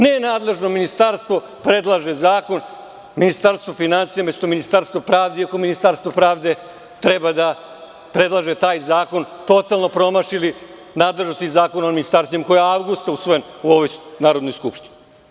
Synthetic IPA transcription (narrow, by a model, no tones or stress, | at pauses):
nenaːd̪le̞ʒnominist̪aɾst̪ʋo̞ | pɾe̞d̪lˠaʒe̞zaːko̞n | minist̪aɾst̪ʋofinansijamesut̪ominist̪aɾst̪ʋopɾaːʋd̪eiako̞minist̪aɾst̪ʋopɾaːʋd̪e̞ | t̪ɾebad̪a | pɾe̞d̪lˠaʒe̞t̪aːjzaːko̞nt̪o̞t̪alˠno̞pɾo̞maʃili | naːd̪le̞ʒno̞st̪izaːkonaominist̪aɾst̪vimako̞jaaʋɡust̪ausʋojomuoʋojnaːɾo̞d̪nojskupʃt̪ini